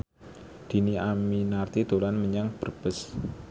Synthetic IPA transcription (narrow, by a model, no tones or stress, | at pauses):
d̪̥i̤niaminart̪id̪̥o̤lanməɲaŋb̥ərb̥əs